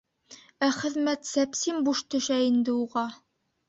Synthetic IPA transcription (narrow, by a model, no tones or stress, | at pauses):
æχɘ̆ðmæt̪sæpsimbuʃt̪ɵ̆ʃæind̪ɘuʁɑ